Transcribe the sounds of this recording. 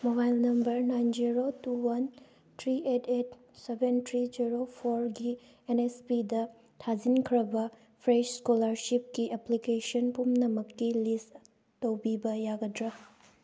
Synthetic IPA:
mobajlnɐmbɐɾnajnd͡ʒiɾotuwɐn | tʰɾiʔetʰet̚ | sebentʰɾid͡ʒiɾopʰoɾɡi | enespidɐ | tʰad͡ʒinkʰɾɐbɐ | pʰɾet͡ʃskolɐɾsip̚kiʔeplikesɐnpumnɐmɐkːilist | tɐwbibɐjaɡɐdɾɐ

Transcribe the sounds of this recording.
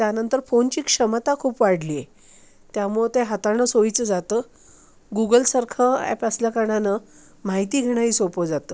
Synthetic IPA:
t̪janənt̪əɾfont͡ɕiːkʂəmt̪akʰuːpʋaɽlie | t̪jamuɭet̪eɦat̪aɳəsoit͡səd͡zat̪əː | ɡuɡəlsaɾkʰəɛ̰pəsljakaɳanə | maɦit̪iːɡʱeɽ̃aiːsopəd͡zat̪əː

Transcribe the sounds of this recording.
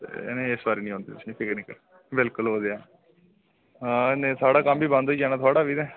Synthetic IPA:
t̪ḛːneesbaːɾeːnĩːɦõːnd̪ḭːt̪ʊsniːpʰɪkniːkəɾ | bɪlkʊlɦoːd̪eaː | anẽːt̪ʰaːɽaːkəmbiːbãːnd̪oid͡ʒaːnãːt̪ʰaːɽaːbiːd̪ɛː

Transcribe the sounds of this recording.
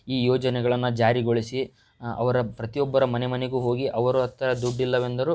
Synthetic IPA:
iːjɔːd͡ʒɐnɛɡɐɭɐnːud͡ʒaːɾiɡoɭisi | ɐ̰ʋɐɾɐpɾɐt̪ijɔbːɐɾɐmɐnemɐneɡuːɦo̞ːɡiʔɐʋɐɾuɐt̪ːɐɾɐd̪uɖːilːɐʋe̞nd̪ɐɾu

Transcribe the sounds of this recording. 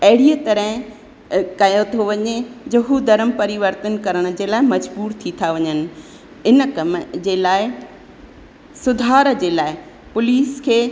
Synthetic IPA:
ɐɦɪɽiət̪ɐɾəɦɪ̃ | kɐjot̪ʰoʋɐɲed͡ʑɐɦud̪ɐɾəmpɐɾiʋəɾt̪ənkɐɾəɽ̃̆d͡ʑeːlaːɪmɐd͡ʑbuːɾt̪ʰit̪ʰaʋɐɲənɪ̆ | ɪnə̆kɐməd͡ʑeːlaːɪ | sʊd̪ʱaːɾəd͡ʑeːlaːɪ | pʊliːskʰeː

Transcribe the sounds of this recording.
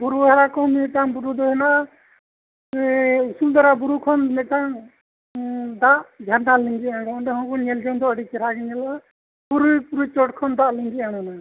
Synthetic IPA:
buɾuɦaɾakɔmɛɛʈaŋbuɾud̪ɔɦɛna | isumd̪aɾabuɾukʰɔnmɛʈaŋ | d̪aʔd͡ʒʱanɖaliŋɡiaɡɔɖɛhɔ̃nkɔɲɛld͡ʒɔnd̪ɔəɽikɛɾaɡɛɲɛla | buɾupuɾut͡ʃɔʈkʰɔnd̪aʔliŋɡiaɽɔna

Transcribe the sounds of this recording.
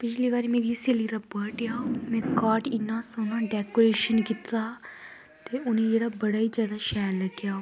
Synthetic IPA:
pɪt͡ʃʰliːbaːɾiːmeːɾiːseliːt̪aːbəʈjaːomɛ̃ːkaːʈɪnːãːsoːnãːɖɛːkoːɾeːʃənkit̪aː | t̪eːʔʊnẽːd͡ʒeːɽaːbəɽaːiːd͡ʒjaːd̪aːʃɛːɾləɡjaːoː

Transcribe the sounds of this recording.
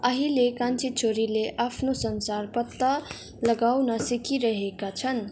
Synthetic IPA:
ʌɦilekãnt͡sʰit͡sʰoɾileʔapʰnosʌnsarpʌt̪ːʌ | lʌɡawnʌsikiɾʌɦekat͡sʰʌn

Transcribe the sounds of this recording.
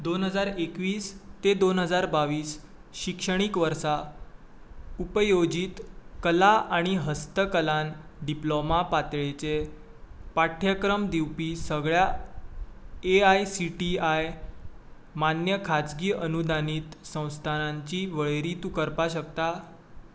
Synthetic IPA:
d̪onɦəd͡zaɾekʋiːst̪ed̪onɦəd͡zaɾbaʋiːsɕikʂəɽ̃ikʋəɾsa | upəjod͡ʑiːt̪kəlaʔaɽ̃iɦəst̪əkəlanɖiplomapat̪ɭet͡se | paʈʰjəkɾəmd̪iwpiːsəɡɭja | eajsiʈiaj | manjəkʰat͡sɡiːʔənud̪aniːt̪sə̃w̃st̪ʰanãɲt͡ɕiːʋəɭeɾit̪ukəɾpaɕək̚t̪a

